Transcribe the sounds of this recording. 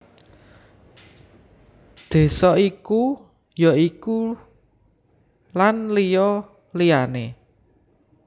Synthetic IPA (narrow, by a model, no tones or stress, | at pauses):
d̪̥e̤sɔiku | jɔiku | lanlijɔ | lijane